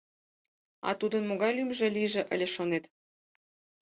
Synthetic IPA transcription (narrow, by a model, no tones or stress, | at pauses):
ɑ̰t̪ud̪ə̆nmoɣɑjlymʒĕliʒĕʔə̰̆lʲĕʃonet̪